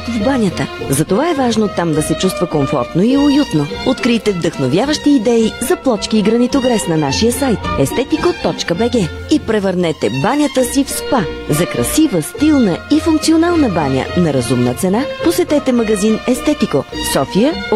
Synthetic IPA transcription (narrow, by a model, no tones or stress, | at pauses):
vbanʲət̪əzɐt̪ovaɛvaʒnot̪amd̪ɐsɛt͡ʃust̪vəkoɱfɔ̰ɾt̪noiojut̪noot̪kɾit̪ɛvd̪ɐxnovʲjavəʃt̪iːd̪ɛizɐplˠɔt͡ʃkiːɡɾɐnit̪oɡɾɛsnɐnaʃijəsajt̪ɛst̪ɛt̪ikot̪ɔt͡ʃkəbɛɡɛ | ipɾɛvəɾnɛt̪ɛbanʲət̪əsifspazɐkɾɐ̰sivəst̪ilˠnəifuŋk̚tsionalˠnəbanʲə̰nɐɾɐzumnət̪sɛnaposɛt̪ɛt̪ɛmɐɡɐzinɛst̪ɛt̪ikosɔfijə